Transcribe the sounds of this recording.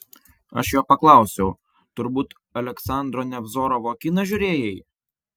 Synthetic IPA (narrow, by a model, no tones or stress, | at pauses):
ɐ̰ʃjoːpɐklˠɑˑʊsʲɛʊ | t̪ʊɾbuːt̪ | ɐlʲɛksɑˑnd̪ɾɔnʲɛbzoːɾɔʋoːkʲinɐʒʲʊɾʲeːjɛj